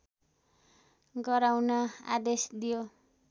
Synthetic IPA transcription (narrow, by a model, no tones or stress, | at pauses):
ɡʌɾawnʌa̰d̪esd̪ijo